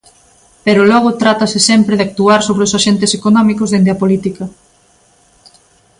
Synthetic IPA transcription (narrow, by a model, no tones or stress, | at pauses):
peɾʊlɔɣʊt̪ɾat̪ɐsɪsɛmpɾeðɪak̚t̪uaɾsoβɾeosaʃent̪ɪsekonɔmikʊzðend̪eɐpolit̪ikɐ